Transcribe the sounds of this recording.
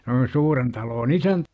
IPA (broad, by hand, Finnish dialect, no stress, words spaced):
s oli suːren tɑloːn isæntæ